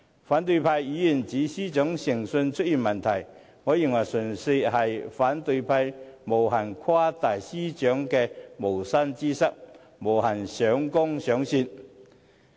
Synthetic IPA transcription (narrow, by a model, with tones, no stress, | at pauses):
faː˨˥nt̪ɵ˧ɥpʰaː˧jjiː˨˧˥jiː˨˩nt͡siː˨˥siː˥t͡ʃɔː˨˥ŋsɪ˨˩ŋsɵ˧nt͡ʃʰɵ˥t̚jiː˨˩nmɐ˨˩nt̪ʰɐ˨˩j | ŋɔː˨˧ji˨ŋwɐ˨˩jsɵ˨˩nse˧hɐ˨jfaː˨˥nt̪ɵ˧ɥpʰɐ˧jmo˨˩wɦɐ˨˩nkʷʰwaː˥t̪aː˨˩jsiː˥t͡ʃœː˨˥ŋkɛː˧mo˨˩wsɐ˥nt͡siː˥sɐ˥k̚ | mo˨˩whɐ˨˩nsœː˨˥ŋkʊ˥ŋsœː˨˥ŋsiː˧n̚